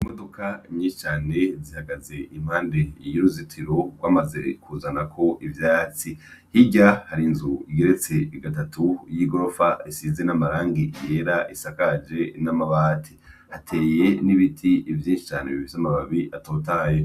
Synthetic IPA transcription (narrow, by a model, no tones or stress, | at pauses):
imo̞dokʰaimɲĩːʃi̥t͡ʃaːne̞zihaɡaze̞ʔim̥haːnde̞joɾuzitʰiɾoɡ̥waːmaze̞̰kʰuzanakʰo̞ʔivjaːt͡si | hiɟahaɾinzuiɡeɾet͡se̞iɡatatʰujiɡo̞ɾofaisize̞namaɾaːŋɡije̞ɾaʔisakad͡ʒe̞namaβatʰi̥ | hatʰe̞ːje̞niβitʰiivjiːnʃi̥t͡ʃaːneβiβizamaβaβiʔato̞ːtaːje